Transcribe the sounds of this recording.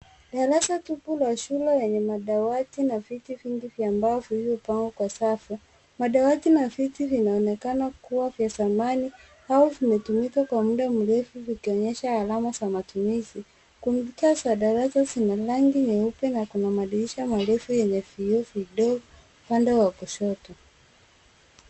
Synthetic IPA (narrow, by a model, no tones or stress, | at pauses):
ɗaɾasatupulaʃulɛjɛɲɛmaɗawatinavitiviŋɡivjambaɔvihivɔpaŋɡɔkwasafu | maɗawatinavitivinaɔnɛkanakuwavjasamani | auvimɛtumikakwamuɗam̩ɾɛfuvikiɔɲɛʃaːlamazamatumizi | kumitasaɗaɾasazinalaŋɡiɲɛupɛnakunamaɗiliʃamalɛfujɛɲɛviɔviɗɔɡɔ | pandɛwakɔʃɔtɔ